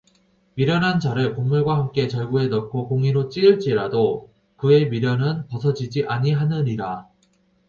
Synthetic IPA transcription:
miɾjʌnɦant͡ɕaɾɯɭkoŋmuɭɡwahamk͈e̞t͡ɕʌɭɡue̞nʌkʰokoŋiɾot͡ɕ͈iɯɭt͡ɕ͈iɾado | kɯe̞miɾjʌnɯnpʌsʰʌd͡ʑid͡ʑiʔaɲiɦanɯɲiɾa

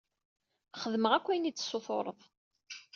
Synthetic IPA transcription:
χəðməʁækʷːijnit͡sːsːoθo̰ɾˤə̰ðˤ

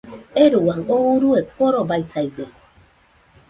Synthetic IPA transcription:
eɾuaŋouɾuekoɾobajsajbe

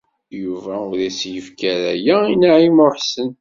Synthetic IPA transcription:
juvæʊðisjəfkæɾæjæinaʕimɾħsən

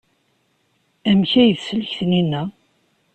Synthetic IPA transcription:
æmçæjəðsəlçθninːæ

